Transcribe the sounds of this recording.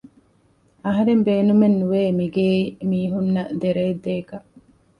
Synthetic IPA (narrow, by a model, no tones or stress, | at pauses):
ɐɦɐɾembeːnumenːuʋeːmiɡeːimiːɦunːɐd̪eɾɐed̪ːeːkɐʔ